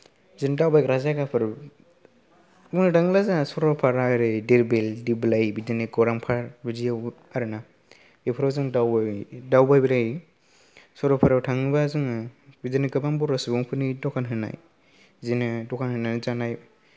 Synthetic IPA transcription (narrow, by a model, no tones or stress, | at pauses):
zindawbajkɾazakapʰɯɾ | ɔnɯdaŋlazasɔɾɔpʰaɾaɾɯdeɾbeldiblajbidɯneɡɔɾaŋpʰaɾbɯzijaw | aɾɯna | epʰɯɾazɯŋdawdawbajbiɾaj | sɔɾɔpʰaɾawtʰaŋɯbazɯŋbidɯnɯɡɯbambɔɾɯsɯbŋpʰɯnidɔkʰanɦɯna̰j | zinɯdɔkʰanhɯnanɯzanaj